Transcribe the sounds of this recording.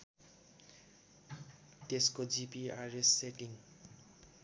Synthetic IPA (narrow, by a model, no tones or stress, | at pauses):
t̪eskod͡zipiaresːekiŋ